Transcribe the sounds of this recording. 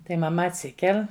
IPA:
tɐɪ mɐˈmɐ ɐtʲˈsʲɪkʲɛlʲ

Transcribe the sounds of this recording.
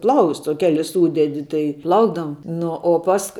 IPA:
ˈplˠɐʊsts oː ˈkʲæːlʲɪs ˈsuːdʲɛdʲɪ tɐɪ ˈplˠɐʊɡdɐʋoːm ˈnʊ oː ˈpɐsk

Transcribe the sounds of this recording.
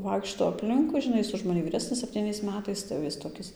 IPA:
ˈʋɐɪkʃtoː ɐpʲˈlʲɪŋkʊɪ ʒʲɪˈnɐɪ ˈjɪs ʊʃ mɐˈnʲɪ ʋʲiːˈrʲæːsʲnʲɪs sʲɛpʲtʲiːˈnʲɛɪs ˈmʲæːtɐɪs tɐɪ jɛʊ ˈjɪs toːˈkʲɪs

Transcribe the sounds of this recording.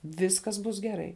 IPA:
ˈʋʲɪskɐs ˈbʊs ɡʲɛˈrɐɪ

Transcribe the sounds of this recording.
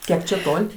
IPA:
ˈkʲiɛk t͡ʃʲɛ ˈtoːlʲ

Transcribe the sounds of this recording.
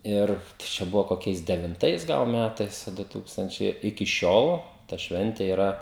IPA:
ˈɪr t͡ʃʲɛ ˈbʊʋoː koːˈkʲɛɪs dʲɛʋʲɪnˈtɐɪs ˈɡɐlˠ ˈmʲætɐɪs ɐ ˈdʊ ˈtuːkstɐnʲt͡ʃʲɛɪ ɪkʲɪ ˈʃʲoːlˠ tɐ ˈʃʲʋʲɛnʲtʲeː iːˈrɐ

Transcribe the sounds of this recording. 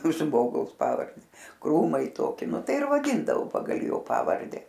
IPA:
ˈʒmoːɡɐʊs ˈpɑːʋɐrʲdʲɛ ˈkruːmɐɪ ˈtoːkʲɪ ˈnʊ ˈtɐɪ ɪr ʋɐˈdʲiːndɐʋoː ˈpɑːɡɐlˠ ˈjoː ˈpɑːʋɐrʲdʲɛ

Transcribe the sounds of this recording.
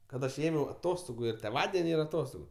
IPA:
kɐt ˈɐʃ ˈeːmʲɛʊ ɐˈtoːstoːɡʊ ɪr tʲeːˈʋɑːdʲɛnʲɪ ɪr ɐˈtoːstoːɡʊ

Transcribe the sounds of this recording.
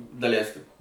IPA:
dɐˈlʲɛɪsʲkʲɪm

